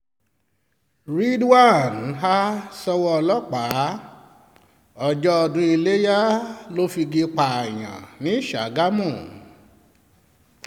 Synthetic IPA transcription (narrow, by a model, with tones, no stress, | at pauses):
ɾi˦dwa˦˨n˨ɦa˦sɔ˧wɔ˦ɔ˧lɔ˦k͡pa˨˦ | ɔ˧˨d͡ʒɔ˦ɔ˧dũ˦i˧le˦ja˦lo˦fi˧ɡe˧k͡pa˨a˨j̃ã̰˨nĩ˨˦ʃa˨˦ɡa˦mũ˦˨